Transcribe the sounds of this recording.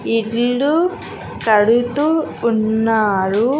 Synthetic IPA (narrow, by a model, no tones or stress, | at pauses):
ilɭːu | kɐɽut̪uːnːaːɾu